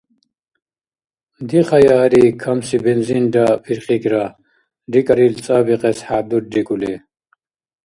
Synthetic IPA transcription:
md̪iχajaɦɾikʰamsibɛnzindapʰiɾχʼiɡɾa | ɾikʼaɾilt͡sʼabiqʼɛsħad̪uɾːikʼuli

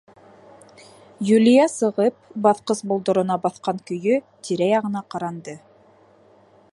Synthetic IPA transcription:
jʉlʲijæsɤ̆ʁɤp̚bɑθqɤsbŏlˠd̪ŏɾŏnɑbɑθqɑŋkɵ̆jɵ | t̪iɾæjɑʁɤ̆nɑqɑɾɑnd̪ɤ

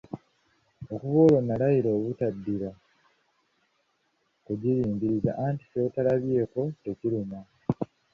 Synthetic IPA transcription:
okuβo̞ːlonːalajiɾoːβutadːiɾa | kuɟiɾiːmbiɾiza̰ʔanti̥seβutalaβje̞ːko̞te̞ciluma

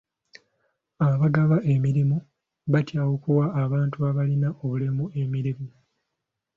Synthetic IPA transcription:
aβaɡaβaʔe̞miɾimu | βatjawokuwaːβaːntuaβalinaʔo̞βule̞mue̞miɾimu

